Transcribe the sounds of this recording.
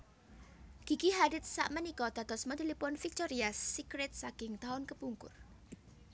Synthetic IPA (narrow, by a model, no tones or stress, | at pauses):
ɡ̥i̤ɡiɦadɪt̪̚sa̰ʔmənikɔd̪̥a̤d̪̥ɔsməd̪ilipʊnfik̚t̪ɔɾiasːikɾɛt̪̚saɡ̥ɪŋt̪aʊnkəpuŋkʊ̰r